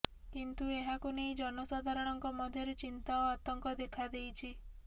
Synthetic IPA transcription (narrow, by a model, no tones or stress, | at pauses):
kint̪ueɦakunejd͡ʒɔnɔsad̪ʱaɾɔɽ̃ɔŋkɔmɔd̪ʱjɔɾet͡ʃint̪aːt̪ɔŋkɔd̪ekʰad̪ejt͡ʃʰi